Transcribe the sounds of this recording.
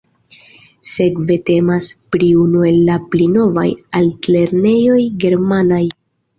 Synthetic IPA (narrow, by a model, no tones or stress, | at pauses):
se̞kve̞te̞maspɾiunue̞lːaplino̞va̰jaltle̞ɾne̞jo̞jɡe̞ɾmanaj